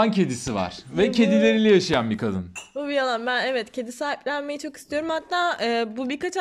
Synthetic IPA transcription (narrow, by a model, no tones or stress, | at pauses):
ncʰe̞d̪isiva̰ɾ̥vɛcʰe̞d̪ilʲe̞ɾilʲɛjaʃajanbikʰad̪ɯ̰nbubialˠanbænevɛt̪cʰe̞d̪isaːjiplʲænme̞jit͡ʃʰo̞ki̥st̪ʰijo̞ɾumhat̪ʰːaːɯːbubiɾkat͡ʃ